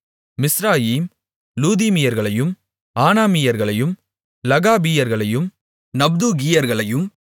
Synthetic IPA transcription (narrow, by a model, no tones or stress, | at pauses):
mɪsɾaːjiːm | luːðiːmɪjɐɾɣɐɭɐjɯm | aːnaːmɪjɐɾɣɐɭɐjɯm | lɐɣaːbijɐɾɣɐɭɐjɯm | nɐb̚d̪uːɡijɐɾɣɐɭɐjɯm